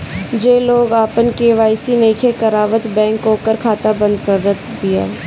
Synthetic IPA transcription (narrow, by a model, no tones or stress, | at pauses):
d͡ʒeːloːɡaːpənkeʋaːɪsinẽːkʰekəɾaːʋət̪bɛ̃ːŋkoːkəɾkʰaːt̪abə̃nd̪kəɾːət̪ʰbia̰ː